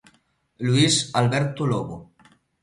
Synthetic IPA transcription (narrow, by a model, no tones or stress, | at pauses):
luisalbɛɾt̪oloβo